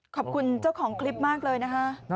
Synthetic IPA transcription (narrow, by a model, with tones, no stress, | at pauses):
kʰɔː˨˩p̚kʰu˧nt͡ɕa˥˩wkʰɔː˩˦ŋkʰli˦˥p̚maː˥˩k̚lɤː˧jna˦˥kʰa˦˥ʔ